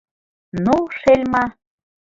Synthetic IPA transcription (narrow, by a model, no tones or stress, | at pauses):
nuʃelʲmɑ